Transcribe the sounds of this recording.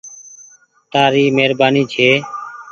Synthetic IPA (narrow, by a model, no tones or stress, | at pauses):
t̪aːɾiːmeːɾbaːniːt͡ʃʰeː